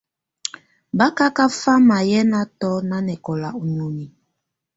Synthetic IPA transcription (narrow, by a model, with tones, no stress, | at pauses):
ba˦ka˦ka˦fa˦ma˨jɛ˦na˦tɔ˦na˦nɛ˨kɔ˨la˨u˨ɲo˨ni˨